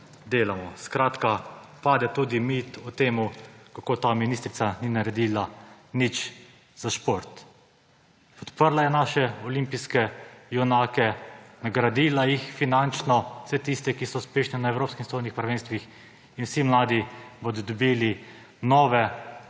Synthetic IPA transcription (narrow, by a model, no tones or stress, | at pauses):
d̪eːlamɔskɾaːt̪ka | paːd̪ɛt̪uːd̪imit̪ɔt̪eːmukakoːt̪aːminiːst̪ɾit̪saninaɾɛd̪iːlanit͡ʃ | z̥aʃpoɾt̪ | pɔt̪pəɾlajɛnaːʃɛɔlimpiskɛjɔnaːkɛnaɡɾad̪iːlajixfinant͡ʃnɔ̥sɛt̪ist̪ɛkisɔuspeːʃnɛnaewɾoːpskimst̪ojnixpɾaʋeːnst̪ʋix | inwsimlaːd̪ibod̪ɔd̪ɔbiːli | nɔːʋɛ